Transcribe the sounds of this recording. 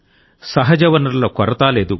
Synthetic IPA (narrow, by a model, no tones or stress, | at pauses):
sɐɦɐd͡ʒɐʋɐnɐlːɐkɔɾɐt̪aːleːd̪u